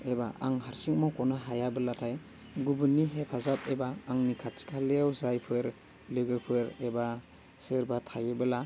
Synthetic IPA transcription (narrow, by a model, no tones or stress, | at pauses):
ebaʔaŋɦaɾsik̚mawkɔnaɦajabɯlatʰaj | ɡubɯnːiɦepʰazapebaːŋnikʰasi̥kʰaleawzajpʰɯɾ | lɯɡɯpʰɯɾeba | sɯɾbatʰajɯbɯla